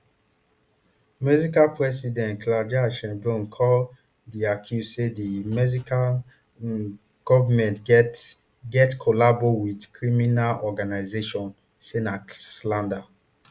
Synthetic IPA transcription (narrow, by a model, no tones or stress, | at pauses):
mɛzikalpɹɛsidɛ̃ntklad͡ʒiaʃɛ̃mbɹõnkʰɔl | diakʰjuzsedimɛzika | ɡ̥ɔvamɛ̃nt | ɡɛtkʰɔlabowidkɹiminalɔɡanaɪzeʃɔ̃n | senaslãnda